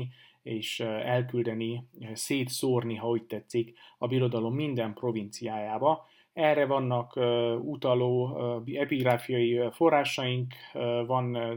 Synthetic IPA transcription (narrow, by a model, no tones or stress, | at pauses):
eːʃɛlkyld̪ɛniseːt̪soːrniɦɒuc̚t̪ɛt̪sːikɒbiɾo̞d̪ɒlo̞mːind̪ɛmpro̞vint̪sijaːjaːbɒ | ɛrɛvɒnːɒkːut̪ɒloːɛpiɡraːfijɒjifo̞rːaːʃɒjiŋkvɒn